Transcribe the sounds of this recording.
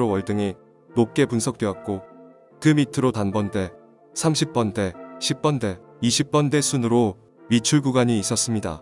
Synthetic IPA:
ɾowʌɭdɯŋi | nok͈e̞punsʰʌk̚t͈ewak̚k͈o | kɯmitʰɯɾotanbʌnde̞ | sʰamɕʰip̚p͈ʌnde̞ɕʰip̚p͈ʌnde̞ | iɕʰip̚p͈ʌnde̞sʰunɯɾo | mit͡ɕʰuɭɡuɡaɲiːs͈ʌs͈ɯmɲida̰

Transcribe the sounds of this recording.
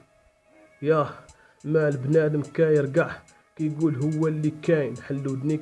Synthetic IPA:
jæ | mæləbnæd̪əmkæjəɾɡaʕ | kæjɡulɦəwːælːikæjnħəlːud̪ni

